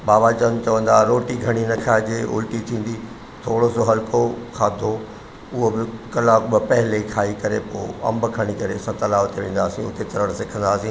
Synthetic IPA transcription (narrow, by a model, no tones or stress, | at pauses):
baːbat͡ɕɐnt͡ɕɐʋə̃nd̪aːɾoːʈiɡʱɐɽ̃inɐkʰaːd͡ʑeːʔʊ̰lʈit̪ʰĩːn̆d̪i | t̪ʰoːɽosoɦɐlkokʰãːd̪ʱo | ʊɦobɪkɐlaːkbɪpɐɦɪlekʰaːikɐɾepo̰ːɐ̰̃mbkʰɐɽ̃ikɐɾeɐsãt̪ɐlaːʋt̪ʰeʋẽːn̆d̪aːsĩʊt̪et̪ɐɾəɽ̃sekʰə̃nd̪aːsĩː